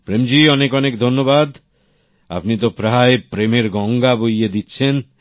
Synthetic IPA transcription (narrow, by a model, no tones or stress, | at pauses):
pɾemd͡ʑiɔnekɔnek̚d̪ʱonːobad̪ | a̰pnit̪opɾaɦaepɾemeɾɡɔŋɡabojed̪itːɕʰen